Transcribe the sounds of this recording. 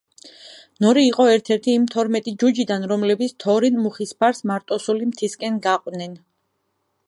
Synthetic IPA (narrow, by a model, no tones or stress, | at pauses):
nɔɾiːqʼɔɛɾt̪ʰɛɾt̪ʰiːmt̪ʰɔɾmɛt̪ʼid͡ʒud͡ʒid̪anɾɔmlɛbit̪sʰt̪ʰɔɾinmuχispʰaɾsmaɾt̪ʼɔsulimt̪ʰiskʼɛnɡaqʼwnɛn